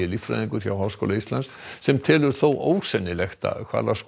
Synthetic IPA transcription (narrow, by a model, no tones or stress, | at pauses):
ɪlifɾa̰ðiŋkʏɾ̥çawɦaːwsko̰wlaist̪lans | sɛmt̪ʰɪːlʏɾ̥θowʔoːwsɛnːɪlɛxt̪a̰kʰva̰ɾlask